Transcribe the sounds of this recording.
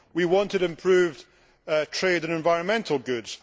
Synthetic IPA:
wiwɔ̃ntɪɾɪ̃mpʰɹ̥ʉːvd | tʰɹ̥eɾə̃nɪ̃ɱvaɪɹə̃nmɛ̃nʔəlˠɡʉdz̥

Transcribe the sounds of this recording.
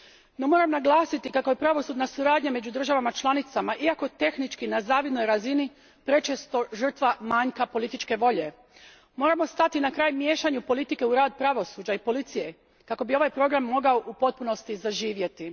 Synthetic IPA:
no̞mo̞ɾamnaɡlˠaːsit̪ikako̞je̞pɾaʋo̞sud̪nasuɾaːd̪ɲame̞d͡ʑud̪r̩ʒaʋamat͡ʃlˠanit̪samaʔiako̞t̪e̞xnit͡ʃkinazaːʋid̪no̞jɾazini | pɾe̞t͡ʃest̪o̞ʒr̩t̪ʋamaːɲkapo̞lit̪it͡ʃke̞ʋo̞ʎe̞ | mo̞ːɾamo̞st̪at̪inakɾaːjmje̞ːʃaɲupo̞lit̪ike̞uɾaːd̪pɾaʋo̞suːd͡ʑaipo̞lit̪sije̞ | kako̞bio̞ʋajpɾo̞ɡɾamːo̞ɡaoʔupo̞t̪̚puno̞st̪izaʒiːʋje̞t̪i

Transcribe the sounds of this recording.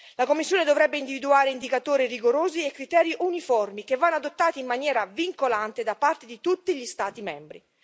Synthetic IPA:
lakomːisːjoːned̪ovɾɛbːeind̪ivid̪uaːɾeind̪ikat̪oːɾiriɡoɾoːziekːɾit̪ɛːɾiʔunifɔrmikevːanːoad̪ot̪ːaːt̪iːmːanjɛːɾaviŋkolant̪ed̪apːart̪ed̪it̪ut̪ːiʎist̪aːt̪imɛmbɾi

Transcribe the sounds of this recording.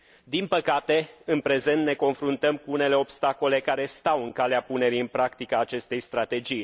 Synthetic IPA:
d̪inpəkat̪e̞ɨnpɾe̞ze̞nt̪ne̞ko̞nfɾunt̪əmkuune̞le̞o̞bst̪ako̞le̞kaɾe̞st̪awɨŋkaleapune̞ɾiɨnpɾakt̪ikaːt͡ʃe̞st̪e̞jst̪ɾat̪e̞d͡ʒij

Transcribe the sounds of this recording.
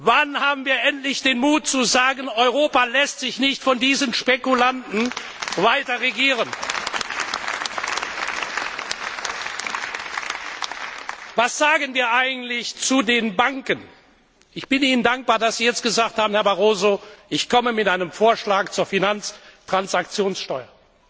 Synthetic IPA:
vanhaːbm̩viːɐʔɛntlɪçd̥eːnmuːtt͡suzaːɡənɔʏʁoːpalɛstz̥ɪçnɪçtfɔndiːzənʃpekulantn̩ | vaɪtɐʁeɡiːʁən | vasz̥aːɡənviːɐʔaɪɡŋ̩tlɪçt͡sudeːnbaŋkən | ʔɪçb̥ɪniːnəndaŋk̚b̥aːɐdasz̥iːjɛt͡stɡ̥əzaːk̚thaːbmn̩hɛɐbaʁoːzoʔɪçkʰɔməmɪtʔaɪnəmfoːɐʃlaːkt͡suːɐfinant͡stʁ̥ansakt͡sjoːnsʃtɔʏɐ

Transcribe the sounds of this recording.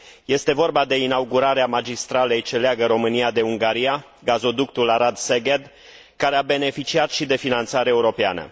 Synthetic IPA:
je̞st̪e̞vo̞rbad̪e̞inauɡuɾaɾeamad͡ʒist̪ɾale̞jt͡ʃe̞leaɡəɾo̞mɨnijad̪e̞uŋɡaɾija | ɡazo̞d̪ukt̪ulaɾad̪seɡed̪ | kaɾeabe̞ne̞fit͡ʃiat̪ʃid̪e̞finant̪saɾeːuɾo̞pea̰nə̰

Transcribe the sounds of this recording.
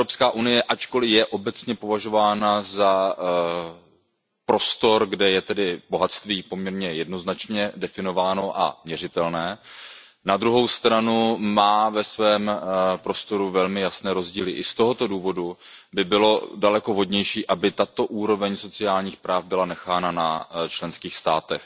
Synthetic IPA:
ɾopskaːʔunɪjɛʔat͡ʃko̞lɪjɛʔo̞bɛt͡sɲɛpo̞vaʒo̞vaːnaza | pɾo̞st̪o̞ɾɡdɛjɛt̪ɛdɪbo̞ɦat̪st̪viːpo̞mɲɛɾɲɛjɛdno̞znat͡ʃɲɛdɛfɪno̞vaːno̞ʔa̰mɲɛrɪt̪ɛlnɛː | nad̪ɾuɦo̞wst̪ɾanumaːvɛsvɛːmpɾo̞st̪o̞ɾuvɛlmɪjasnɛːɾo̞zɟiːlɪʔɪst̪o̞ɦo̞t̪o̞duːvo̞du | bɪbɪlo̞dalɛko̞ɦo̞dɲɛjʃiːʔabɪt̪at̪o̞ʔuːɾo̞vɛɲso̞t͡sɪjaːlɲiːxpɾaːfbɪlanɛxaːnanat͡ʃlɛnskiːxst̪aːt̪ɛx

